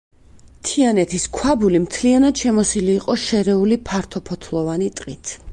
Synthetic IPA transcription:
t̪ʰianɛt̪ʰiskʰwabulimt̪ʰlianad̪̥ʃɛmɔsiliːqʼɔʃɛɾɛulipʰaɾt̪ʰɔpʰɔt̪ʰlˠɔvanit̪ʼqʼit̪ʰ

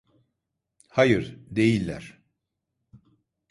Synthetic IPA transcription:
hajɯɾd̪e̞jilʲːæ̰ɾ̥

